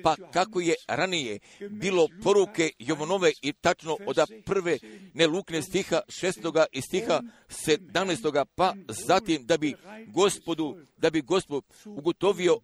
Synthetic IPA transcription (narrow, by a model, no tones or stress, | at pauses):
pakako̞je̞ɾanije̞ | biːlo̞po̞ɾuke̞joʋono̞ʋeit̪at͡ʃno̞ʔod̪apr̩ʋe̞neluːkne̞st̪ixaʃest̪o̞ɡaʔist̪ixa | se̞d̪amnest̪o̞ɡapazat̪imd̪abiɡo̞spo̞d̪ud̪abiɡo̞spo | uɡo̞t̪o̞ʋio̞